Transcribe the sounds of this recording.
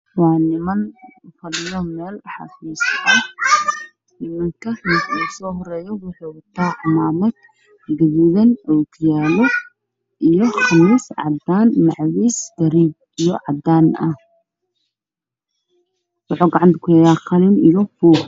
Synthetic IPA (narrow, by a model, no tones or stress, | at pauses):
wɑːnɪmɐnfɐlɪjɔmɛːlħɑ̰fiːsɐ | nɪmɐŋkʰɐɪuːsɔːɦɔrɛːjɔwʊħuːwʊt̪ʰaːʕmaːmɐd̪̚ | ɡɐβuðɐnʔɔkʰjaːlɔ | ʔijɔχɑmiːsʕɑ̰d̪aːnmɑʕwiːsd̪̥ɐɾiːb̚ | ijɔʕɑd̪aːnɐ̰h | wɑħɔːɡɑʕɑnt̪ʰɐ̥kʰʊjɛːjaːqɑlɪmijɔfuː